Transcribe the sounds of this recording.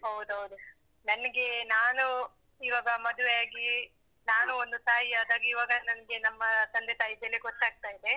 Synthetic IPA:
ɦɐwd̪uɦɐwd̪u | nɐnɐɡe̞naːnu | iʋaːɡɐmɐd̪uʋejaːɡi | naːnuond̪ut̪aːjiaːd̪aːɡɐiːʋaːɡɐnɐnɐɡe̞nɐmːɐsɐnd̪ʱet̪aːjid̪ɐlːieɡɔtːaːɡ̚t̪aːjid̪e̞

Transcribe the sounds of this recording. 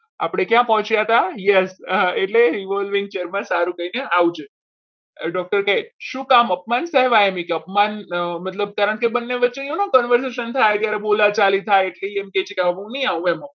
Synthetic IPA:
a̰pɽ̃ekjãpəɦɔ̃t͡ʃjat̪ajɛseʈleɾiʋəlʋɪ̃ŋ̚t͡ʃeɾmãsaɾũkəineawd͡ʒe | ɖɔk̚ʈəɾkeʃũkaməp̚mansɛɦʋaemĩkeəp̚manmət̪ləb̚t̪əɾə̃nkebənːeʋətːʃeonokɔnʋəɾs̬eʃənt̪ʰajt̪jaɾebolat͡ʃalit̪ʰajeʈleiemket͡ʃʰekjamamə̃nəĩaʋũɛmə̃

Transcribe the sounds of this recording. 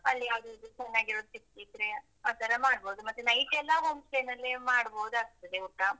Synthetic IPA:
ɐlːijaːʋd̪ut͡ʃɛnːaːɡiɾoːd̪usiktit̪ɾe | aːt̪ʰɐɾɐmaːɽboːud̪umɐt̪ːenɐjʈɛlːɐɦomsʈenɐlːimaːɽboːud̪uaːɡ̚t̪ːɐd̪euʈːa

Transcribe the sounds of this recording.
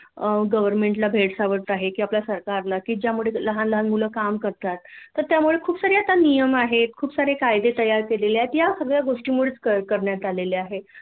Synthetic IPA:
ɡəʋəɾmeɳʈlabʱeɽsaʋəɽt̪aɦekiːapljasəɾkaɾlakiːd͡ʑjamuɭeləɦanləɦanmuləːkamkəɾt̪at̪ːəɾt̪jamuɭekʰuːpsaɾeat̪anijəmaɦet̪kʰuːpsaɾekajd̪et̪əjaɾkeleleat̪ijasəɡɭjaɡoʂʈiːmuɭet͡skəkəɾɳjat̪aleleaɦe

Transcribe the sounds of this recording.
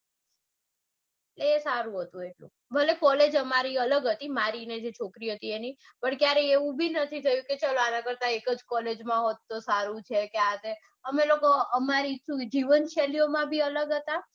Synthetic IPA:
eleesaɾũɦət̪ũeʈlṵ̃ | bʱəlekɔled͡ʒəmaɾiələɡɦət̪imaɾined͡ʒet͡ʃʰokɾiɦət̪ieni | pəɳkjaɾeeʋũbʱinət̪ʰit̪ʰəjũket͡ʃaloanãkəɾt̪aekəd͡ʒkɔled͡ʒmãɦot̪ːosaɾũt͡ʃʰekeaɦət̪e | əmelokoəmaɾit͡ʃũd͡ʒiʋənʃeliomãbʱiələɡɦət̪a

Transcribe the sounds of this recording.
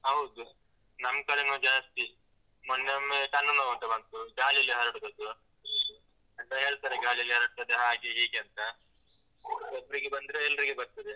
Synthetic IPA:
ɦɐwd̪u | nɐmkɐlenud͡ʒaːnɐst̪i | mɐnːemːeʈɐnːɐnoɡɐnt̪ɐbɐnt̪uɡaːliɐlːiɦɐɾɐɽɡ̪ɐd̪u | ɐnt̪ɐɦe̞ːɭt̪aːɾeɡaːlijɐlːiɦɐɾɐɽ̚t̪ɐd̪eɦaːɡeɦiːɡeɐnt̪ɐ | sɐbɾiɡebɐnd̪iɾoɛlːɐɾiɡebɐɾt̪ɐd̪e

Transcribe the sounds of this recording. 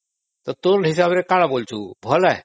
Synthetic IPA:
t̪ot̪onɦɪs̬aːbɾekaːɽãːboːlt͡ʃʰṵːbʱolɛː

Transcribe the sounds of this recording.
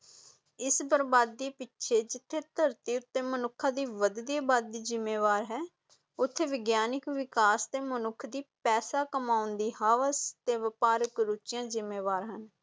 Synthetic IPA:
ɪsbəɾbaːd̪̚ːiːpɪtːʃʰeːd͡ʒɪt̪ʰːeːt̪əɾt̪iːʊt̪ːeːmənʊkʰːãːd̪iːʋəd̪d̪ieːbaːd̪̚ːiːzɪmːeːʋaːɾɦɛː | ʊt̪ʰːeːʋɪɡjaːnɪkʋɪkaːst̪eːmənʊkʰd̪iːpɛːsaːkəmaːʊnd̪iːɦaːʋəst̪eːʋɪpaːɾəkɾʊt͡ʃɪjãːzɪmːeːʋaːɾɦən

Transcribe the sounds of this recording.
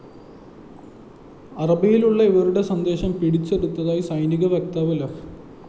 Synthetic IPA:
ɐrɐbijiluɭːɐiʋɐruɽe̞sɐnd̪e̞ːɕɐmpiɽit͡ɕːe̞ɽut̪ːɐðaːjisɐjniɣɐʋjek̚t̪aːʋɐlɐ

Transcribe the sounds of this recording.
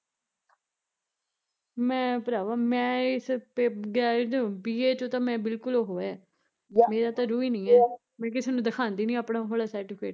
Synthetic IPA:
mɛ̃ːpəɾaːʋaːmɛ̃ːɪspeːɡɛːd͡ʒobiːeːt͡ʃõːt̪ãːmɛ̃ːbɪlkʊloːɦoːɛː | meːɾaːt̪ãːɾuːiːnĩːɛː | mɛ̃ːk̬ɪseːnũːd̪əkʰaːnd̪iːnĩːaːpɳaːɦəlaːsɛːʈɪpʰḛːʈ

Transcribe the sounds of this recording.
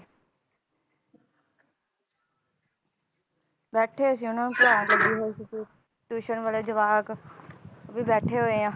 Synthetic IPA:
bɛːʈʰeːəs̬iːʊnãːũkɪaːɡəd̪iːɦoːiːsiːsiː | ʈuːʃənʋaːleːd͡ʒəʋaːk | biːbɛːʈʰeːɦoːeːãː

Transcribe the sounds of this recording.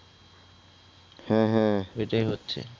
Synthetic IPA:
hɛ̃ɦɛ̃ejʈaiɦotːɕʰḛ

